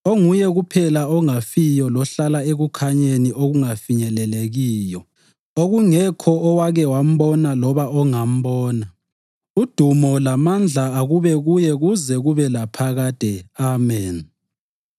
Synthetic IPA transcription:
oŋujɛɣupʰɛlaɔŋafijɔlɔɬalaeɣukʰaɲeniʔoɣuŋafiɲɛlɛleɣiːjɔ | oɣuŋɛkʰɔʔːwaɣɛwam̩βɔnalɔβaɔŋam̩βɔːna | ud̥ʱumɔlamand͡ɮʱaːɣuβɛɣujɛɣuzɛɣuβɛlapʰaɣaːd̥ʱɛamɛn

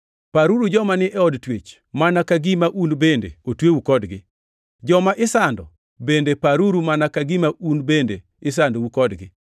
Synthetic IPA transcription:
paɾuɾud͡ʒɔmanɪʔɛɔdtwet͡ʃ | manakaɡimaʔunbendḛotwewukɔdɡɪ | d͡ʒɔmaʔɪsandɔ̰ | bendepaɾuɾumanakaɡimaʔunbende | ɪs̬andowukɔdɡɪ

